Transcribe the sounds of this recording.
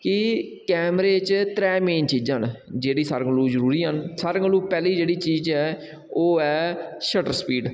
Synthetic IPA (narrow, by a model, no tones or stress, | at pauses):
kɪkɛːmɾeːt͡ʃt̪ɾɛːmeːnt͡ʃiːd͡ʒənd͡ʒeːɽiːsəɾəŋɡluːzəɾuːɾiːɦənsəɾəŋɡluːpɛːliːd͡ʒeːɽiːt͡ʃiːd͡ʒɛː | oːɛːʃəʈəɾspiːɖ